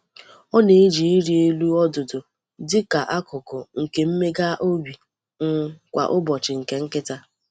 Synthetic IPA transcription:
ɔ˦ne˨e˦d͡ʒi˨i˦ɾi˨e˦lu˦ɔ˦dʊ˨dʊ˨ | dɪ˦ka˨ʔa˦kʊ˨kʊ˨ŋ̩˨ke˨m̩˦me˦ɡa˦ʔo˦bi˨ | ŋ̩˦kʷa̰˨ʔʊ˦bɔ˨t͡ʃɪ˨ŋ̩˨ke˨ŋ̩˦kɪ˦ta˦

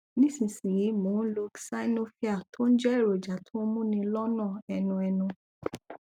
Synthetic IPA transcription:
nĩ˦˨sĩ˨sĩ˨ji˨˦mõː˨˦lo˧ksa˦no˦fi˦a˦˨tʰo˦ñ̩˦d͡ʒɛ˦i˦˨ɾo˨d͡ʒa˨tʰo˦mũ˦nĩ˧lɔ˦nã˦˨ɛ˧nũ˧ɛ˧nũ˧

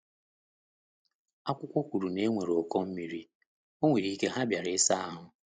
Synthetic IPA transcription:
a˦kʷʊ˦kʷɔ˦kʷu˨ɾu˨ne˦ŋʷe˨ɾo˨kɔ˦m̩˦mi˨ɾi˦ | o˦ŋʷe˨ɾi˦ke˦ɦa˦bja˨ɾɪ˦sa˦a˦ɦʊ˨

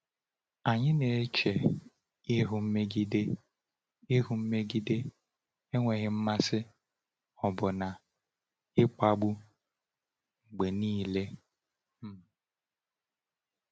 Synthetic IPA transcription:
a˨ɲɪ˦ne˨e˦t͡ʃe˨ | ɪ˦ɦʊ˨m̩˦me˦ɡi˦de˦ | ɪ˦ɦu˨m̩˦me˦ɡi˦de˦ | e˦ŋʷe˨ɣɪ˦m̩˦ma˦sɪ˦ | ɔ˨bʊ˨na˨ | ɪ˦k͡pa˦ɡ͡bu˦ | ŋ͡m̩˨ɡ͡be˨niː˦˨le˦ | m̩˦˨

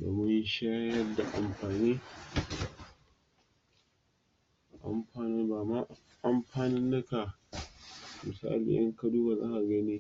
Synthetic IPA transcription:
do̰˨mʊ˦ɲ˦ʃaː˦jɐ˦rda˨ʔa̰˨mɸaː˨niː˦˨ | ʔa̰˨mɸaː˨nɪ˦baː˨ma˦ | ʔa˨mɸaː˨nɪ˦nːɐ˦ka˨ | mɪ˨sa̰ː˦lḭ˨ʔɐ̰˦ŋkɐ˦duː˦baː˨za̰˦ŋʔa˨ɡɐ˦niː˦

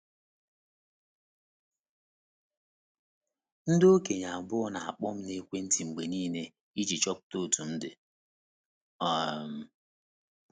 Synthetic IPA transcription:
n̩˦do˦ke˨ɲa˨bʊ˦ɔ˦na˨a̰˨k͡pɔ˦m̩˦ne˦kʷe˦n̩˦ti˨ŋ͡m̩˨ɡ͡be˨niː˦ne˦ | i˦d͡ʒi˨t͡ʃɔ˦p̚to˦˨tu˨n̩˦dɪ˨ | ɔ˨m̩˦

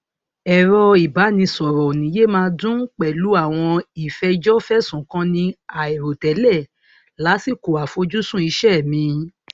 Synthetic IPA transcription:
ɛ˨ɾɔ˧i˨ba˨˦nĩ˧sɔ˨ɾɔ˨nĩ˨˦je˦mãː˧˦dũ˦k͡pɛ˨lu˨˦a˦˨w̃ɔ̃˧i˨fɛ˧d͡ʒɔ˦fɛ˦sũ˨kã˦nĩ˧a˨e˨ɾo˨tɛ˨˦lɛ˦˨ | la˨˦si˦˨ko˨a˨fo˨˧˦d͡ʒu˦sũ˦i˧ʃɛ˦˨mĩ˧˦

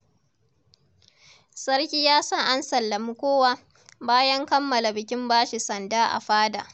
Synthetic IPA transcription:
sɐ˦ɽkʲiː˦jaː˦sɐ˦ŋʔa˦nsɐ˨lːɐ˨mu˦kʷoː˦waː˦ | baː˦jɐ˦ŋkɐ˦mːɐ˨la˨bɪ˨kʲɪ˦mbaː˦ʃi˨sɐ˨ndaː˦ʔa̰˨ɸaː˦da̰ː˨ʔ

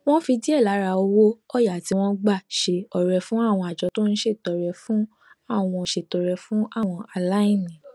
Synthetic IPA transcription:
w̃ɔ̃˦fi˧di˦ɛ˦˨la˨˦ɾa˨˧o˧wo˦ɔ˦˨ja˨ti˧˦w̃ɔ̃˦ɡ͡ba˦˨ʃe˧ɔ˨ɾɛ˨fũ˦a˦˨w̃ɔ̃˧a˨d͡ʒɔ˧˦to˦ñ̩˦ʃe˦˨tɔ˨ɾɛ˨fũ˨˦ | a˦˨w̃ɔ̃˧˨ʃe˨tɔ˨ɾɛ˧fũ˦a˦˨w̃ɔ̃˧ʔa˧la˨˦ĩ˦˨nĩ˨

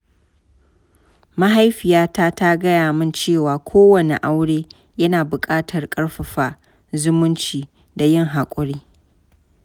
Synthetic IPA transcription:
ma˦ɦa˦jɸɪ˨jaː˦ta˦ta˦ɡɐ˦jaː˨mɪ˦nt͡ʃeː˦˨waː˨kʷʰoː˦wɐ˨nḛ˨ʔa˦wɽeː˦ | jɐ˦naː˨bʊ˨kʼaː˦tʰɐ˨rkʼɐ˦ɽɸɐ˨ɸaː˨ | zʊ˦mʊ˦nt͡ʃiː˨ | da˨jɪ˦˨ŋɦa˨kʷʼʊ˨ɽiː˦

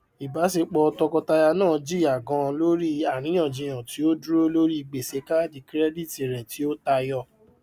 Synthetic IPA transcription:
i˨ba˨˦se˧k͡pɔ˧ɔ˧tɔ˧kɔ˧ta˧ja˧nãː˦˨d͡ʒi˦˨a˨ɡã˧lo˦ɾi˦a˦˨ñĩ˨˦j̃ã˦˨d͡ʒi˧j̃ã˨ti˨˦o˦du˦ɾo˦lo˦ɾi˦i˧˨ɡ͡be˨se˨˧˦ka˦d͡ʒi˨kɾɛ˦di˦˨ti˨ɾɛ̃˨ti˨˦o˦ta˧jɔ˧˨

